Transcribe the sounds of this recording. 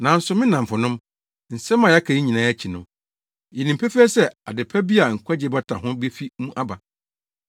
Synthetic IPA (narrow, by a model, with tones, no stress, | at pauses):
nã˨n̩˦sʊ˨mɪ̃˦nã˨fʊ˨nʊ̃˦m | n̩˨sɛ˦mːã˨a˦kʰa˨i˦ɲĩ˨nãː˨˦ɛ˦t͡ɕʰi˨nʊ̃˨ | jɛ˨nĩ˨mpʰæ˦fi˦ɛ˦sɛ˦a˨dɪ˨pʰɛ˦bi˦a˨ŋ̩˨kʷʰa˦d͡ʑɪ˦ba˦tʰa̰˨ɦʊ̃˦be˦fi˦mũ˦ʔa˦ba˨